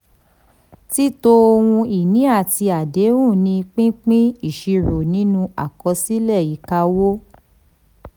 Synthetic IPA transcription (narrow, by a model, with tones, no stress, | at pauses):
ti˦to˧o˧wũ˧i˨nĩ˨˦a˦˨ti˧a˨de˨˦wũ˦˨nĩ˧k͡pĩ˦k͡pĩ˦i˦˨ʃi˧ɾo˨nĩ˨˦nũ˧a̰˨kɔ˧˦si˦lɛ˦˨ji˨˦ka˧˦wo˦